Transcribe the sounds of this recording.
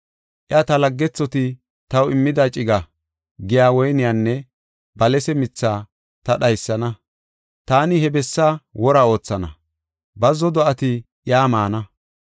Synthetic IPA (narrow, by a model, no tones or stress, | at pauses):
ʔɪat̪ɐlɐɡːɛt͡sːɔt̪ɪ | t̪ɐwɪmːɪd̪at͡ʃʼɪɡɐ | ɡɪjaːwɔjnɪjanːɛ | bɐlɛsɛmɪt͡sːaː | t̪ɐɗɐjsːɐnɐ | t̪aːnɪhɛbɛsːawɔɾao̞ːt͡sːɐnɐ̰ | bɐzɔd̪ɔɐt̪ɪʔɪjaːmaːnɐ